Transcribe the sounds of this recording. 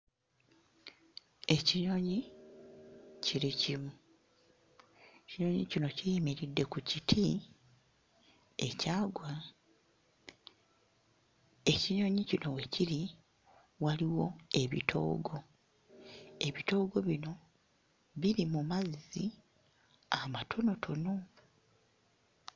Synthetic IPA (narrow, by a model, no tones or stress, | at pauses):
e̞ciɲo̞ːɲi | ciɾicimu | eciɲo̞ːɲicino̞cijimeɾidːe̞kucitʰi | e̞̰caːɡwa | e̞ciɲo̞ːɲicino̞weciɾi | waliwo̞e̞βḭtʰo̞̰ːɡo̞ | e̞βito̞ːɡo̞βino̞ | βiɾimumazi | amatʰo̞no̞tʰo̞no